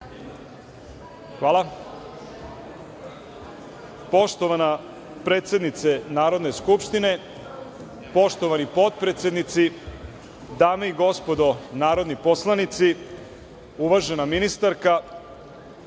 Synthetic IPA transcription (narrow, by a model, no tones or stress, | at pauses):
xʋaːlˠa | po̞ʃt̪o̞ʋana | pɾe̞ːt̪sʲe̞d̪nit̪senaːɾo̞d̪ne̞skupʃt̪ine̞ | po̞ʃt̪o̞ʋanipo̞d̪̚pɾet̪sʲe̞d̪nit̪si | d̪aːmaiɡo̞spo̞d̪o̞naːɾo̞d̪nipo̞slˠanit̪si | uʋaʒenaminist̪aɾka